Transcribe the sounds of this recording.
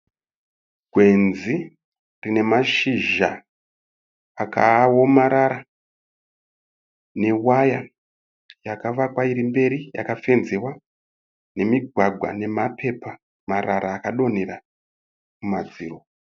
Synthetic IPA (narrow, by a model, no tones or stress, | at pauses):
ɡʱwe̞nzi | rine̞maʃiʒa | akʰawomaɾaɾa | ne̞waja | jakaʋakwaiɾimbe̞ɾija̰kafe̞nzewa | ne̞miɡʱwaɡʱwa̰ne̞mapʰe̞pa | maɾaɾaːkaɗo̞ne̞ɾa | mumad͡ziːro